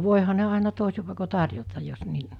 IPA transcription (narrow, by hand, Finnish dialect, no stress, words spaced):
ʋoˑehɑ ne ɑˑenɑ toˑesi pɑˑeko tɑrjotɑj jos ni